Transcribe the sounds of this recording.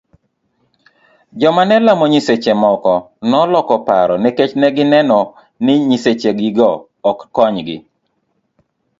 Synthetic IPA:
d͡ʒɔmanɛlamɔɲiset͡ʃemɔkɔ | nɔlɔkɔpaɾɔnɛket͡ʃnɛɡɪnɛnɔ | nɪɲiset͡ʃeɡɪɡɔː | kːɔɲɡɪ̰

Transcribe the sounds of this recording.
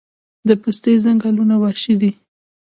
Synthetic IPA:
d̪əpəst̪ezaŋɡalunawɑʃid̪i

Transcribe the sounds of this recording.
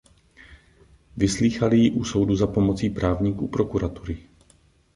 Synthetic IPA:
vɪsliːxalɪjɪʔuso̞wduzapomot͡siːpɾaːvɲiːkuːpɾokuɾat̪uɾɪ

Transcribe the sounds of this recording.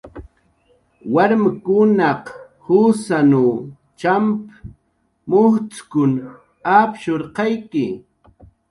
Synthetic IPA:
waɾmakʊnɑq | husanu | t͡ʃamp | mʊht͡skʊn | apʃoɾqɑjkɪ

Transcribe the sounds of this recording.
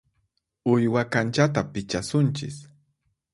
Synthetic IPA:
ʊjwakant͡ʃat̪apɪt͡ʃasʊnt͡ʃɪ̰s

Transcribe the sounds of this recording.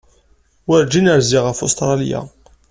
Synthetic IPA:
wəɾd͡ʒinəɾziʁəfo̰st̪ɾˤɑlḭja̰

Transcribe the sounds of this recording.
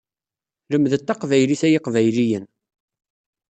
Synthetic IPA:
ləmðət̪ːɑqvæjliθæjɪqvæjlijən

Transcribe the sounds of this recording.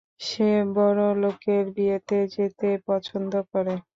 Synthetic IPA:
ʃebɔɾolokeɾbiet̪ed͡ʑet̪epɔt͡ɕʰond̪okɔɾe

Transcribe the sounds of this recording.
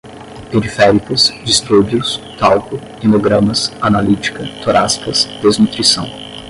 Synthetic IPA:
peɾifɛɾikɐsd͡ʒist̪ɾubʊst̪awkʊ | inoɡɾɐ̃mɐsanalit͡ʃi̥kɐt̪oɾaskɐsd̪̥ezmut̪ɾisɐ̰̃w̃

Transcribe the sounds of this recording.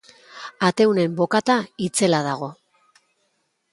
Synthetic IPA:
at̪e̞wne̞mbo̞kat̪ait͡se̞laðaɣ̞o̞

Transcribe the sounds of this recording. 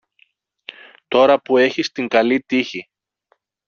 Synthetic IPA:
t̪o̞ɾɐpue̞çist̪iŋɡɐlit̪içi

